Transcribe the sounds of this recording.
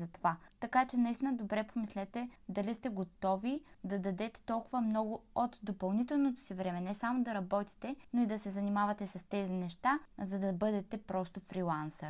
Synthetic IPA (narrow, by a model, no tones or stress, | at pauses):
zɐt̪ovat̪ɐkat͡ʃɛnɐist̪inəd̪obɾɛpomislɛt̪ɛd̪ɐlist̪ɛɡot̪ɔvid̪ɐd̪ɐd̪ɛt̪ɛ̥t̪ɔlˠkʊvɐmnɔɡʊot̪d̪opɐlˠnit̪ɛlˠnot̪o̥sivɾɛmɛnɛsamod̪ɐɾɐbɔt̪i̥t̪ɛnoid̪ɐsɛzɐnimavɐt̪ɛsɐst̪ɛzinɛʃt̪azɐd̪ɐbɤd̪ɛt̪ɛpɾɔst̪ofɾilˠansə